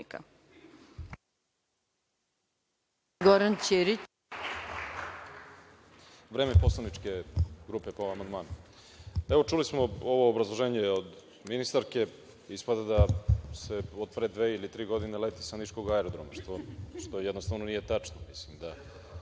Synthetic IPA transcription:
ka̰ | ɡoɾant͡ɕeɾi | vɾeːmepo̞slˠanit͡ʂke̞ɡɾuːpepoʋamand̪maːna | eʋo̞t͡ʃulismo̞oʋo̞ːbɾazlˠo̞ʒeːɲeod̪ | minist̪aɾke̞ | ispad̪ad̪ase̞od̪̚pɾed̪ʋe̞ːilit̪ɾiːɡo̞d̪inelet̪isanit͡ʃko̞ɡaeɾod̪ɾomaʃt̪oʃt̪o̞jɛd̪nost̪avno̞nije̞t̪at͡ʂnomislimd̪a

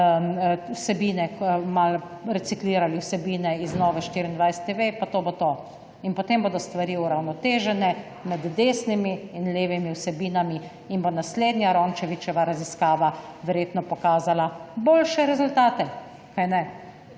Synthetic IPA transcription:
wsɛbiːnɛkmal | ɾɛt̪sikliːɾaliwsɛbiːnɛiznɔːʋɛʃt̪iɾind̪ʋajsɛ̥t̪ːeʋepat̪oːbot̪o | inpot̪emboːd̪ɔst̪ʋaɾiːuɾawnɔt̪eːʒɛnɛ | mɛd̪ːeːsnimiːnleːʋimiwsɛbiːnami | inbonasleːd̪nʲjaɾɔnt͡ʃɛʋit͡ʃɛʋaɾaziskaːʋa | ʋɛɾjeːt̪nɔpɔkaːzalaboːlʃɛɾɛzʊlt̪aːt̪ɛ | kajnɛ

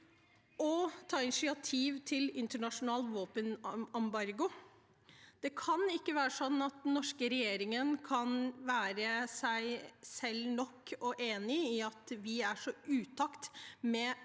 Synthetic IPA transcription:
ʔɔt̪ʰɑːɪnɪʂɪɑt̪ʰiːʋt̪ʰɪlɪnt̪əɳɑʂʊnɑːlʋoːpənɑmbɑɾɡʊ | d̪̥ɛkʰɑnɪkːəʋæːɾəsɔnːɑt̪̚d̪nːɔʂkəɾɛjeːɾɪŋənkʰɑnʋæːɾəsæɪsɛlːnɔkːɔʔeːnɪɪɑt̪ʋɪæʂɔʉːt̪ʰɑkt̪mɛ

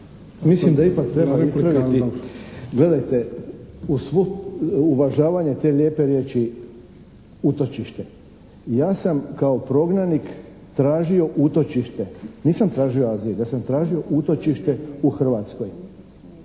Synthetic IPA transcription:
mislimd̪aipak̚t̪ɾebaisppɾaʋit̪i | ɡle̞d̪ajt̪e̞usʋuuʋaʒaːʋaɲet̪e̞ːʎje̞ːpe̞ɾje̞ːt͡ʃi | ut̪o̞t͡ʃiʃt̪e̞ | jaːsamkaopɾo̞ɡnanik | t̪ɾaːʒio̞ʔut̪o̞t͡ʃiʃt̪eniːsamt̪ɾaːʒio̞aːzijejasamt̪ɾaːʒio̞ʔut̪o̞t͡ʃiʃt̪e̞uxr̩ʋaːt̪skoj

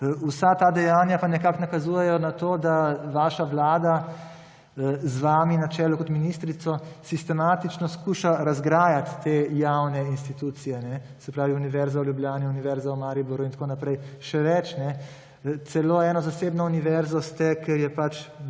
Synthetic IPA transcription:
usat̪aːd̪ɛjaːnjapanɛkaknakazuːjɛjɔnat̪oːd̪aʋaːʃaʋlaːd̪a | zʋaːminat͡ʃɛːlɔkɔt̪minist̪ɾit̪sɔsist̪ɛmaːt̪it͡ʃnɔskuːʃaɾazɡɾaːjat̪ːejawnɛinst̪it̪uːt̪sijɛnɛ | sɛpɾaːʋiuniʋɛɾzawljubljaːniuniʋɛɾzawmaːɾibuɾuint̪konapɾɛjʃɛʋɛt͡ʃnɛ | t̪sɛloːɛːnɔzasebnɔuniʋɛɾzɔst̪ɛkeɾjɛpat͡ʃ

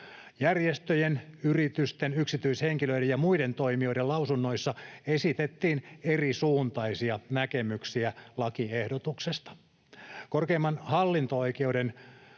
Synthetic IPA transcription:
jærjest̪øjenyrit̪yst̪enyksit̪yishe̞ŋkiløidejjɑmuide̞nt̪o̞imio̞jdelɑusunːojsːɑesit̪et̪ːiːne̞risuːnt̪ɑisiɑnæke̞myksiælɑkiehdot̪uksest̪ɑ̥ | korkeimːɑnhɑlːint̪oo̞jkeude̞n

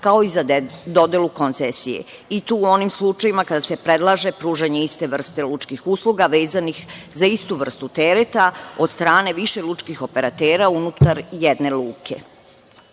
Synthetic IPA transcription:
kao̞izad̪o̞d̪elˠuko̞nt̪sesijḛ | it̪uːuo̞nimslˠut͡ʃajimakad̪asepɾe̞d̪lˠaʒe̞pɾuːʒeɲe̞ist̪eʋr̩st̪elut͡ʃkixuslˠuɡaʋe̞ːzanixzaist̪uʋr̩st̪ut̪eɾet̪ao̞d̪st̪ɾaːne̞ʋiʃelˠut͡ʃkixo̞pe̞ɾat̪eːɾaunut̪aɾjed̪ne̞luːkʰe̞̰

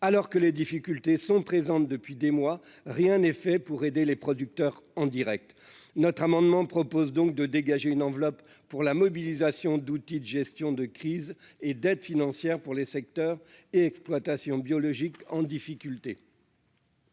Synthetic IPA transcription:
alɔʁkəled̪ifikʲylt̪esɔ̃pχezɑ̃t̪̚d̪əpɥid̪emwa | ʁjɛ̃nɛfɛpuʁed̪elepχɔd̪yk̚t̪œʁɑ̃d̪iʁɛk̚t̪ | nɔt̪χamɑ̃d̪mɑ̃pχɔpozd̪ɔ̃k̚d̪əd̪eɡaʒeynɑ̃vlɔpː | uʁlamɔbilizasjɔ̃d̪ut̪id̪əʒɛst̪jɔ̃d̪əkχized̪ɛd̪finɑ̃sjɛʁpuʁlesɛk̚t̪œʁeɛksplwat̪asjɔ̃bjɔlɔʒikɑ̃d̪ifikʲylt̪e

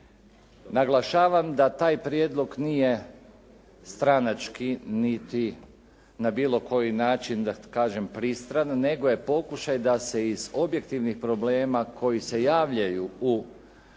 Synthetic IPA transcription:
naɡlˠaʃaːʋamd̪at̪aːjpɾjed̪lˠo̞ɡnije̞ | st̪ɾanat͡ʃkinit̪i | nabiːlo̞ko̞jinaːt͡ʃind̪akaːʒe̞mpɾist̪ɾanːe̞ɡo̞je̞po̞kuʃajd̪ase̞izo̞bje̞kt̪iʋnixpɾo̞ble̞ːmakʰo̞jise̞jaːʋʎajuu

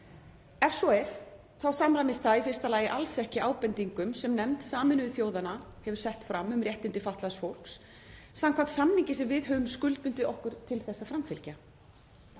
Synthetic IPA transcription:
ɛfsowɛf | θaðsamɾamɪst̪ʰaifɪr̥st̪alaːjɪʔalsɛhcɪʔaːwpɛnt̪iŋkʏmsɛmnɛmt̪saːmɪnʏʏθjoːwðana | hɛvʏɾ̥sɛht̪fɾamːʏmrjɛht̪ɪnt̪ɪfaht̪lasfowl̥ks | samkʰvat̪samniɲcɪsɛmvɪðɦœvʏmskʏlt̪mʏnt̪ɪɔhkʏɾ̥t̪ʰɪlθɛsːafɾamfɪlca

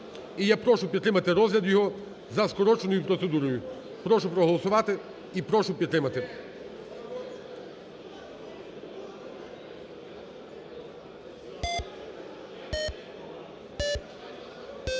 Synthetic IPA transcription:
ijapɾɔʃʊpʲid̪t̪ɾɪmɐt̪ɪɾɔzʲlʲɐd̪jɔɦɔ | zɐskɔɾɔt͡ʃenɔjʊpɾɔt̪se̞d̪uɾɔjʊ | pɾɔʃʊpɾɔɦɔlˠɔsʊʋɑt̪ɪ | ipɾɔʃʊpʲit̪t̪ɾɪmɐt̪ɪ

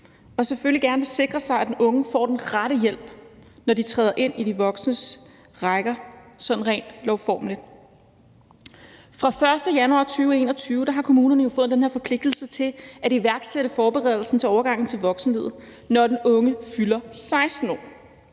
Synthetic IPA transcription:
ɒ̽seføliɡ̥æɐnəʋe̝se̝ɡ̥ʁɐsɑ̈ɪæd̥enʔɔ̽ŋəfɒ̰ːd̥enʁaɾəjel̰b̥nɒdit͡sʰʁɛːðˠɐʔe̝n̰ʔid̥iʋɒ̽ɡ̥snəs | ʁaɪɡ̥ɐsɒ̥̽n̩ʁɛ̰ɪːnlɒʊfɒ̰ːmlid̥ | fʁɑ̈fɶɐsd̥əjænuɑ̰̈t͡sʰyːʊe̝̰ːnɐ̽t͡sʰyːʊəd̥ɑ̈ɦɑ̈kʰo̝muːnɐnəjo̝fɔ̽ð̩ˠd̥enheɐfɒ̽pʰle̝ɡ̥̚d̥l̩sət͡sʰe̝læɾiʋæɐɡ̥seɾ̥əfɒːb̥eʁɛ̰ð̞ˠl̩sn̩t͡sʰe̝ɒʊɐɡ̥ɑ̈ŋ̰n̩t͡sʰe̝lʋɒ̽ɡ̥sn̩he̝ð̞̰̩ˠ | nɒd̥enɔ̽ŋəfylɐsɑ̈ɪsd̥n̩ɒ̰ː

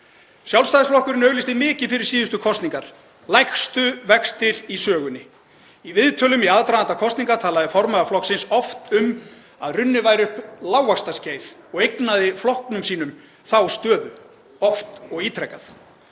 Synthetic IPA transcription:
sjawlst̪ajðɪsflɔhkʏɾnœːɣlɪst̪ɪmɪːcɪfɪɾɪɾ̥siːðʏst̪ʏkʰɔst̪niŋkaɾ̥ | lajxst̪ʏvɛkst̪ɪɾisœːɣʏnɪ | ivɪðt̪ʰœːlʏmiaːðt̪ɾaðant̪akʰɔst̪niŋkaɾt̪ʰaːlaðɪfɔɾmaɣaflɔhksɪnsɔft̪ʏm | aðrʏnːɪvaːjɾʏhplawvakst̪asceːjθɔɣejknaðɪflɔhknʏmsiːnʏm | θawst̪œːðʏ | ɔft̪ɔɣiːt̪ʰɾɛhkːaθ

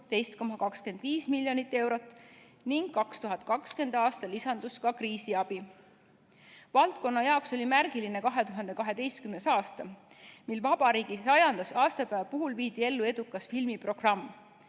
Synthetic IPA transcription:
t̪e̞jst̪̚ko̞mɑkɑkske̞nd̪̥viːsmilːjo̞nit̪ːˑe̞wɾo̞t̪ˑː | niŋɡ̥kːɑkst̪uɦɑt̪̚ˑkɑkske̞nd̪̥ɑːst̪ɑlisɑnd̪̥uskɑkriːsiɑb̥i | vɑlt̪̚ko̞nːɑjɑokso̞lʲimærɡilinekɑɦe̞t̪uɦɑnd̪e̞kɑɦe̞d̪e̞jst̪kymnesɑːst̪ɑ | milvɑb̥ɑɾiːɡ̥isɑjɑnd̪ɑsɑːst̪ɑpæːvpuɦulviːd̪̥ie̞lːue̞d̪ukːˑɑsfilmipro̞ɡ̥rɑmː

